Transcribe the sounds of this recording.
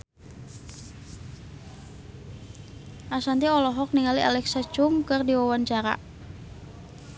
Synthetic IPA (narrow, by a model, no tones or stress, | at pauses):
ʔasant̪iɔlɔɦɔk̚niŋaliʔalɛksat͡ʃʊŋkɨrdiwawant͡ʃaɾa̰